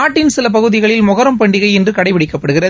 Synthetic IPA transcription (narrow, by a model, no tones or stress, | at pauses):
aːʈːɪnsɪlɐpɐɣɯðɪɣɐɭɪlmʊɣɐɾɐmpɐɳɖɪɣɐɪɛndrɯkɐɽɐɪʋɪɽɪkːɐpːɐɽɯɣɪrɐ